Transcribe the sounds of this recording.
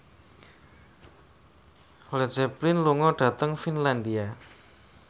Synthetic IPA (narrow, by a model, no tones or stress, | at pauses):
lɛd͡ʒɛplinluŋɔɖ̥ä̤t̪əŋfinland̪ia